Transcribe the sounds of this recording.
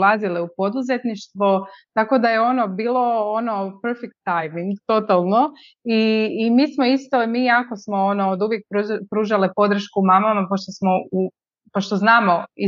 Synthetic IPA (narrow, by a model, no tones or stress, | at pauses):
lˠazileupo̞d̪uze̞t̪niʃt̪ʋot̪ako̞d̪aje̞o̞nobiːlˠoonopeɾfek̚t̪ːajmiŋɡt̪o̞t̪alˠno̞ | iːmiːsmo̞ist̪o̞miːako̞smo̞onood̪uʋjek̚pɾupɾuːʒalipo̞d̪ɾ̩ʃkumamamapoʃt̪osmo̞u | poʃt̪oznaːmo̞i